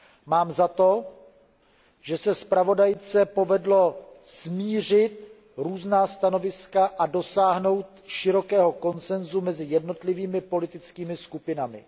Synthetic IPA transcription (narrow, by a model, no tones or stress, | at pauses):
maːmzat̪o̞ | ʒ̥ɛsɛspɾavo̞dajt͡sɛpo̞vɛdlo̞smiːr̝ɪt̪ | ɾuːznaːst̪ano̞vɪskaʔado̞saːɦno̞wt̪ʃɪɾo̞kɛːɦo̞ko̞nt͡sɛnzumɛzɪjɛdno̞t̪lɪviːmɪpo̞lɪt̪ɪt͡skiːmɪskupɪnamɪ̰